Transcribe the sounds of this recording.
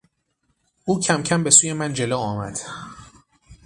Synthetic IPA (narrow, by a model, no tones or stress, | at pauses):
ʔuːcʰæmcʰæmbe̞suːje̞mænd͡ʒe̞loːɒːmæ̰d̪̥